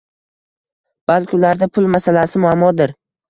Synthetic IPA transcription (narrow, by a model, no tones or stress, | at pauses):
b̥alkʲɪʊlaɾd̪apʰʊlˠmasalasɪmʊamːɒd̪ɪɾ